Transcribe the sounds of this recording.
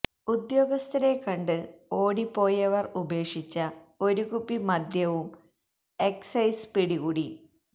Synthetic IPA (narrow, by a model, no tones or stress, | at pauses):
ud̪jo̞ːɡɐst̪ʰɐɾe̞kɐɳɖɨo̞ːɽipːo̞ːjɐʋɐrube̞ːkʂit͡ɕːɐo̞ɾuɣupːimɐd̪ʱjɐʋum | e̞ksɐjspiɽiɣuːɽi